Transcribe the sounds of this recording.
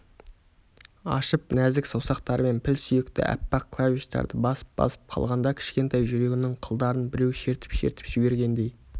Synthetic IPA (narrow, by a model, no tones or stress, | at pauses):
ɑ̰ʃəpnæzɪksowsɑqt̪ɑɾəme̞npʰɪlsʏjekt̪ɪ̰ʔæ̰pːɑq̚kʰlˠavʲiʃt̪ɑ̰ɾd̪əbɑsə̥p̚bɑ̰sə̥p̚qʰɑ̰lˠʁɑnd̪ɑkʲʰɪ̥ʃkʲe̞nt̪ɑjʒʏɾe̞ɡʲɪnɪŋqʰəlˠd̪ɑɾənbɪɾe̞wʃe̞ɾt̪ɪ̥pʃeɾt̪ɪ̥pʒ̥ɪbe̞ɾɡʲe̞nd̪e̞j